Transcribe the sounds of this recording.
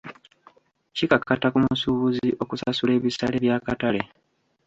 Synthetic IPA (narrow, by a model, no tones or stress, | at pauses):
cikakːatakumusuβuziʔo̞kusasule̞ːβisale̞βjaːkatale̞